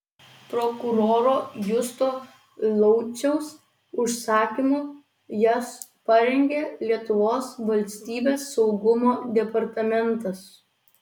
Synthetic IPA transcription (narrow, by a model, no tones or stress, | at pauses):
pɾɔkʊɾoːɾoːjʊst̪oː | lˠɔʊt͡ʃʲɛʊs | ʊʃsɑːkʲimʊ | jɛs | pɐɾʲɛŋʲɡʲeːlʲiɛt̪ʊʋoːsʋɐlʲsʲt̪ʲiːbʲeːsːɒʊɡʊmoːd̪ʲɛpɐɾt̪ɐmʲɛnt̪ɐs